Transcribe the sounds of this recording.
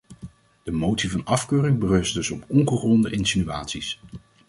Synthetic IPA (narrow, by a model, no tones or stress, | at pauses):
d̥əmowtsivɑnɑfkøːrɪŋbərɵstdɵsɔpɔŋχəχɔndəʔɪnsinya̰ːtsis